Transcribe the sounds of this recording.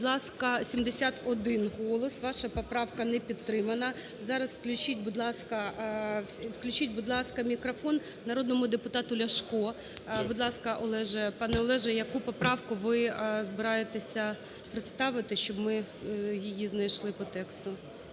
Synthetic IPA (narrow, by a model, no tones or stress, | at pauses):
d̪lˠɑskɐsʲimd̪esʲat̪ɔd̪ɪnɦɔlˠɔsʋɑʃɐpɔpɾɑwkɐnɛpʲid̪t̪ːɾɪmɐnɐ | zɑɾɐswklʲʊt͡ʃit̚ʲbʊd̪lˠɑskɐ | ʋklʲʊt͡ʃit̚ʲbʊd̪lˠɑskɐmʲikɾɔfɔnːɐɾoɔd̪nɔmʊd̪epʊt̪ɑt̪ʊlʲɐʃkɔ | bʊd̪lˠɑskɐʔɔlˠɛʒɛpɑnɛɔlˠɛʒɛjɐkupɔpɾɑwkʊʋɪzbɪɾɑjet̪esʲɐ | pɾɪt̪st̪ɑʋɪt̪ɪʃt͡ʃɔbmɪ | jijiznɐjʃlˠɪpɔt̪ɛkst̪ʊ